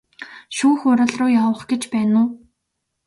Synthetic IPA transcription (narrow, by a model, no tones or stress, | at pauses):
ʃuːxʊɾə̆ɮrʊːjawə̆χɡet͡ɕpæːnʊː